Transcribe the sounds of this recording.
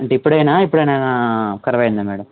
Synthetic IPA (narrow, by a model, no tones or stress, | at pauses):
ɐɳʈipːɐɽenaːipːɐɽenaːnaːkɐɾɐʋɐːɯnd̪ɐmeːɽɐm